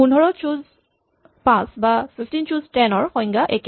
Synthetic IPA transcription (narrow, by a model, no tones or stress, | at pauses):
punɔɹɔt͡ʃuz | pãsbapʰifʰtint͡ʃuztɛnɔɹxɔjŋɡaʔek